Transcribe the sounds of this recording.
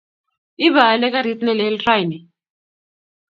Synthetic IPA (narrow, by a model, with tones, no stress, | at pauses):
i˦βa˨lɛ˦k̬ʼa˦ɾi˦tʼnɛ˨lɛ˦ltra˦jnɛ˨